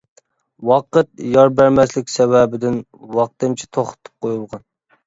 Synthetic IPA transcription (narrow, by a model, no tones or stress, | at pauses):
wɑqət̪̚jɑɾbæɾmɛslɪkʲsɛwɛbɪd̪ɪn | wɑq̚t̪ɨmt͡ʃʰi̥t̪ʰoχt̪ɨ̥t̪ʰɨ̥p̚qʰojulˠʁɑn